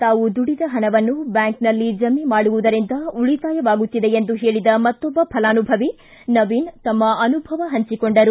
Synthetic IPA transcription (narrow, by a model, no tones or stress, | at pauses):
t̪aːʋud̪uɽid̪ɐɦɐnɐʋɐnːubjaːŋknɐlːid͡ʒɐmimaːɽuʋud̪ɐɾind̪ɐuɭit̪aːjɐʋaːɡut̪ːid̪e̞end̪uɦe̞ːɭid̪ɐmɐt̪ːɔbːɐpʰɐlaːnubʱɐʋi | nɐʋint̪ɐmːɐɐnubʱɐʋɐɦɐɲt͡ʃikoɳɖɐɾu